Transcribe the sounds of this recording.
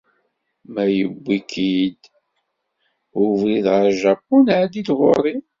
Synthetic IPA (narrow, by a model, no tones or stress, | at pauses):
mæjəbʷːikʰid̪ | ʊvliðʁəɾʒæpːunʕd̪id̪ʁoɾˤi